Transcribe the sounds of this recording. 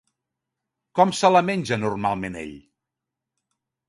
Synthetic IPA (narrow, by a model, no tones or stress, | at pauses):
kɔmsələmenʲʒənurmalˠmenḛʎ